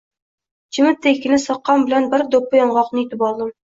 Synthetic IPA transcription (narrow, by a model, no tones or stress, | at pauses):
t͡ʃʰɪmɪt̪ʰːekʲːɪnɪsɒqːɑmbɪlanbɪɾd̪opːɑjɒɴʁɑqnɨit̪ɪpɒlˠd̪ɪm